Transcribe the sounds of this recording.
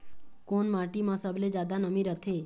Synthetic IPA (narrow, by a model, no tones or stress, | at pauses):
konmãʈimãsəbled͡ʒad̪anəmiɾət̪ʰe